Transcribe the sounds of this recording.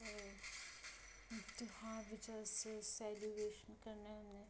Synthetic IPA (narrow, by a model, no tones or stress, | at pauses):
ɔ | t̪ʊhãʋɪt͡ʃaɾsesɛlueːʃənkɐɾnaɐmne